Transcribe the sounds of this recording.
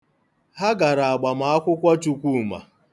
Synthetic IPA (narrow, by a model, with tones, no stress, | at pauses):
ha˦ɡa˨ɾa˨a˨ɡ͡ba˨ma˨a˦kʷʊ˦kʷa˦t͡ʃu˨kʷu˦˨ma̰˨